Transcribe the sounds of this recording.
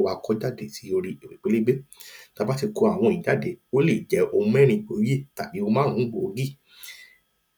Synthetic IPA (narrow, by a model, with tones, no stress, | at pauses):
wa˧kɔ˦d͡ʒa˦˨de˨ti˨˦o˧ɾi˧e˨we˨k͡pe˨˦le˦ɡ͡be˦ta˧ba˦ti˧ko˧a˨w̃ɔ̃˧˨i˨da˨˦de˨o˦le˦˨d͡ʒɛ˨˦ʔo˧mũ˦ɛ˦˨ɾ̃ĩ˧k͡po˧˦je˦˨ta˨bi˨˦o˧mã˦˨˦ũ˦ɡ͡bo˨o˧ɡi˦˨